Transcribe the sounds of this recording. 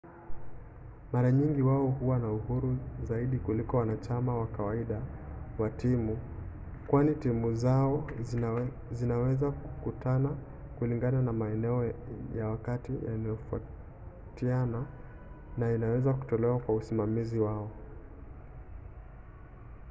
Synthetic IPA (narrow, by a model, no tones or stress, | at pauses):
maɾaɲiŋɡiwaɔhuwanauhuɾuzaiɗikulikɔwanat͡ʃamawakawaiɗawatimu | kwanitimuzaɔ | zinawɛzaku̥kutʰana | kuliŋɡananamaɛnɛɔjawakatija̰najɔfua̰ | tiana | nainawɛzaku̥tɔlɛwakwausimamiziwaɔ